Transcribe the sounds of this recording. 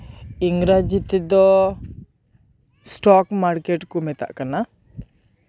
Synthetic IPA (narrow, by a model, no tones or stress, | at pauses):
iŋɡɾad͡ʒit̪ɛd̪ɔ | sʈɔkmaɾkɛʈkumɛt̪a̰ʔkana